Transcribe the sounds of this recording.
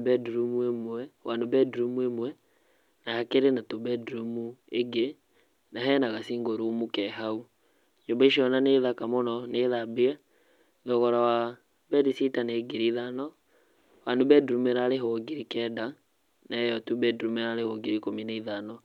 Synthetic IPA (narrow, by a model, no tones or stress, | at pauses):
bɛduɾumuemwɛwanobɛduɾumuemwɛ | naakeɾenatobɛdɾumueɡe | naɦɛnaɣasiŋɡoɾumukɛɦau | ɲobaiʃiɔnaneðakamɔnɔneːðabeɛ | ðɔɣɔɾawa | bɛdisitaneːɡiɾiðanɔ | wandobɛduɾumeɾaɾeɦoɡiɾikɛːda | naɛjɔtubɛdɾumeɾaɾehoɡiɾikominaiðanɔ